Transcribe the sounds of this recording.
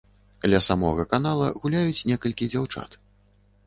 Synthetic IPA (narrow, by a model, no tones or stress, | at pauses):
klʲɐsamɔ̰ɣɐkanalˠɐ̰ɣulʲajut͡sʲnʲɛkɐlʲkʲid͡zʲawt͡ʂa̰t̪